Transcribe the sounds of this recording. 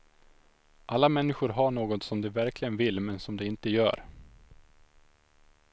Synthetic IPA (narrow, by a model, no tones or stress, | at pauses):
ʔalːamɛnːɪɧʊɾɦaɳoːɡɔt̪sɔmd̪ɛvæɾklɪɡənvɪlːmɛnsɔmd̪ɛɪnt̪əjœ̰ːɾ